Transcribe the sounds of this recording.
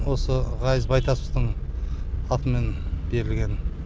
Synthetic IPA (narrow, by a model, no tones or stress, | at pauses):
wo̞səʁɑjəzbɑjt̪ʰɑsə̥st̪əɴ | ɑt̪əme̞nb̥e̞ɾɪlɡʲe̞n